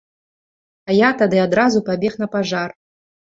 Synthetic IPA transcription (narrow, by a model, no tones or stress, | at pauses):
ɐjat̪ad̪ɨad̪ɾazupabʲɛxnɐpaʐar